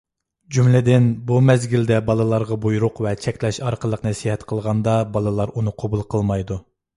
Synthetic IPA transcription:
d͡ʒumlɪd̪ɪnbumɛzɡʲild̪ɛbɑlˠɨlˠɑɾʁɑbujɾʊqvɛt͡ʃʰɛkʲlɛʃɑɾqʰəlˠəqnɨsijhɛt̪qʰəlˠʁɑnd̪ɑbɑlˠɨlˠɑɾunɨqʰobulˠqʰəlˠmɑjd̪u

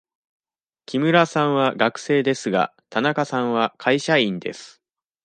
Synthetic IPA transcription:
kʲʰimɯ̟ɾasãɰ̃βaɡakɯ̟̥se̞ːd̪e̞sɨɡa̰t̪anakasãɰ̃βakʰaiɕaĩnd̪e̞̰sɨ̥

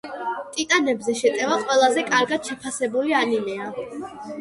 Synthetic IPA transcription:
t̪ʼit̪ʼanɛbzɛʃɛt̪ʼɛvaqʼwɛlˠazɛkʼaɾɡad̪̥ʃɛpʰasɛbulianinɛa

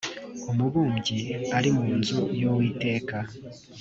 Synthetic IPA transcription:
omuβuːmɟiaɾimuːnzojowiːte̞ːka

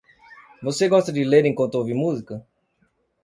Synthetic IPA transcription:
voseɡɔst̪ɐd͡ʒɪleɾẽŋ̃kwɐ̃nt̪oviɾmuzikɐ

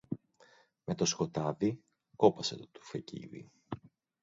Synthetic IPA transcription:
me̞t̪o̞sko̞t̪ɐði | ko̞pɐset̪t̪u̥fecḭðḭ

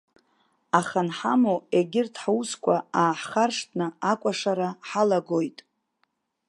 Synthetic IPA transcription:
aχanħamoeɡʲɪrtʰħawuskʷʰaaːħχarʂtʰʼnɨakʷʼaʂaɾaħalaɡo̞jtʼ

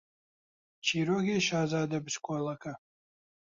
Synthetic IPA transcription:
t͡ʃʰiːɾoːɡʲeːʃaːzaːd̪ɐbskʷʰʼɔlɐkʰɐ

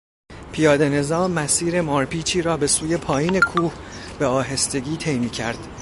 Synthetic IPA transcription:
pʰijɒːd̪e̞ne̞zɒːmːæsiːɾe̞mɒːɾpʰiːt͡ʃʰiːɾɒːbe̞suːje̞pʰɒːjiːne̞kʰuːhbeɒːɦe̞st̪e̞ɡʲiːt̪ʰe̞jmiːcʰæ̰ɾd̪̥

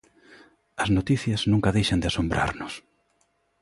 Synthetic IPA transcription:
ɐznot̪iθjɐznũŋkɐðejʃɐnd̪ɪasombɾʔa̰ɾnʊs

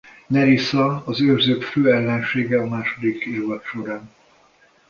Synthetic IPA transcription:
nɛɾisɒɒzørzøːkføːɛlːɛnʃeːɡɛɒmaːʃod̪ikeːvɒt̪ʃo̞ɾaːn

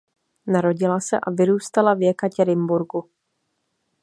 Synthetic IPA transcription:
naɾo̞ɟɪlasɛ̰ʔavɪɾuːst̪alavjɛkacɛɾɪmbuɾɡu

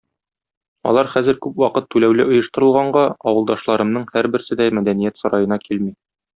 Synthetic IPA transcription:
ɒ̰lˠɑɾχæzɘɾkʉpwɒqɤt̪ːʉlæwlɘʔŏjɤ̆ʃt̪ɤ̆ɾɤ̆lˠʁɑɴɢɑɒwɤ̆lˠd̪ɑʃlˠɑɾɤ̆mnɤɴhæɾbɘ̆ɾsɘd̪æmæd̪ænijæt̪sɒɾɑjɤ̆nɑkilmi

